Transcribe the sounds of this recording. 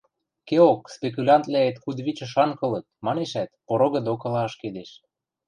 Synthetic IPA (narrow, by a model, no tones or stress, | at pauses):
keokspek̬ulʲɑnt̪læet̪xud̪βit͡ɕɤ̆ʃɑŋkɤ̆lɤ̆t̪̚mɑneʃæt̪poɾoɣɤ̆d̪okɤ̆lɑəʃked̪eʃ